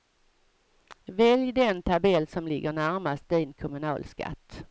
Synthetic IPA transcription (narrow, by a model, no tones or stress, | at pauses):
vɛljd̪ɛnt̪ʰabɛlːsɔmlɪɡːəɳæɾmast̪̚d̪iːnkʰʊmɵnɑ̰ːlska̰t̪ː